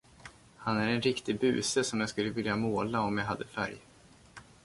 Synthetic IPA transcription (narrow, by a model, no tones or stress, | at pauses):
hanæɾɛnɾɪkt̪ɪɡbʉ̟̰ːsəsɔmjaɡskɵlːəvɪljamoːlaɔmjaɦad̪ːəfæ̰ɾj